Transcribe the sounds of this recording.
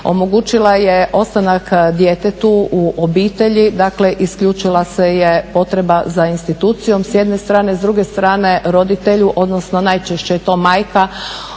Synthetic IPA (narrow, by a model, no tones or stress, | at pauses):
o̞̰moɡuːt͡ʃilˠajeʔo̞st̪anakd̪jet̪et̪uuʔobiːt̪e̞ʎid̪akle̞ʔiskʎut͡ʃilˠasejepo̞t̪ɾe̞bazainst̪it̪uːt̪sijo̞msjed̪nest̪ɾaːne̞zd̪ɾuɡe̞st̪ɾaːne̞ɾo̞d̪it̪e̞ʎuʔo̞d̪nosno̞najt͡ʃeʃt͡ɕejet̪o̞ːmaːjka